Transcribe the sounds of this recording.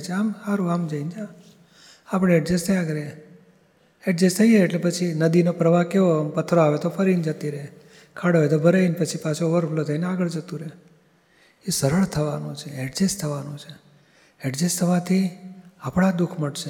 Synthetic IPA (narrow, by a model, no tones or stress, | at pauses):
t͡ʃʰeamsaɾũamd͡ʒəind͡ʒa | apɽ̃eɛʈd͡ʒest̪ʰəjakɾee | ɛʈd͡ʒest̪ʰəjeeʈlepət͡ʃʰinəd̪inopɾəʋakeʋompət̪ʰːɾoaʋet̪ofəɾind͡ʒət̪iɾəe | kʰaɽoʋet̪obʱəɾəinpət͡ʃʰipat͡ʃʰõoʋəɾflot̪ʰəineaɡəɭd͡ʒət̪ũɾ | esəɾəɭt̪ʰəʋanũt͡ʃʰeɛʈd͡ʒest̪ʰəʋanũt͡ʃʰe | ɛʈd͡ʒest̪ʰəʋat̪ʰiapɽ̃ad̪ukʰməɽʃe